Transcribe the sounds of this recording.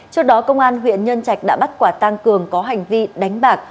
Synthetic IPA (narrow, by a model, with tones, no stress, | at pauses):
t͡ɕɔ˧˥k̚ɗɔ˨˦kə˧wŋ͡mʔaː˧nɦwḭ˧˨ənɲə˧nt͡ɕa˨˩jk̟̚ɗa̰ː˧˥ɓa˦˥t̚kwaː˧˩t̪a˧ŋkɨ˨˩əŋkɔ˨˦ɦa˨˩jŋ̟vi˧ɗa˨˦jŋ̟ɓaː˨˩k̚